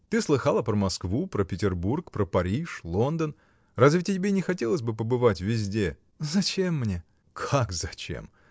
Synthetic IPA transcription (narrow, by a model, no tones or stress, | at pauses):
t̪ɨslˠɨxalˠəpɾəmɐskvupɾəpʲɪtʲɪrburkpɾəpɐɾʲiʂlˠo̞nd̪ən | razʲvʲɪtʲɪɪbʲenʲɪxɐtʲelˠəsʲbɨpəbɨvatʲvʲɪzʲdʲe̞ | zɐt͡ɕemːnʲe | kʰakzɐt͡ɕḛm